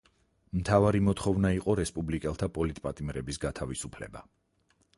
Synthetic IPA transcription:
mt̪ʰavaɾimɔt̪ʰχɔvnaiqʼɔɾɛspʼublikʼɛlˠt̪ʰapʼɔlit̪ʼpʼat̪ʼimɾɛbisɡat̪ʰavisupʰlɛ̰ba

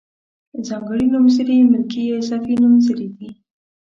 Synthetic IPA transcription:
zɑŋɡəɽinumzəɾimɪlkiesafinumzəɾid̪i

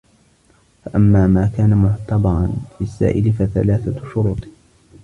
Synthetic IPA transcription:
faʔamːaːmaːkaːnamʊʕt̪ɑbɑɾˤɑnfɪsːa̰ːʔɪlɪfaθa̰laːθaʃʊɾuːt̪ˤ

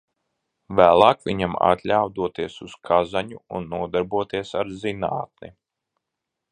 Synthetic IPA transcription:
væːlˠɑːkviɲama̰t̪lʲawd̪uɔt̪iɛsuskʰazaɲuunːuɔd̪aɾbuɔt̪iɛsaɾzinaːt̪̚ni

